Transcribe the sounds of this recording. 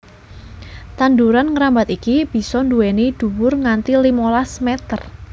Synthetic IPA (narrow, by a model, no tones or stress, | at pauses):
t̪and̪uɾanŋəɾambat̪ikib̥i̤sɔnduenid̪̥ṳwʊrŋant̪ilimolasmɛt̪ər